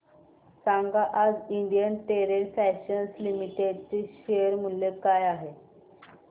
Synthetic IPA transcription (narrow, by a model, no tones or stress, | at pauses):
saŋɡaʔad͡ziɳɖijənʈeɾefɛɕənslimiʈeɖt͡ɕeɕejəɾm̤ulːekajaɦe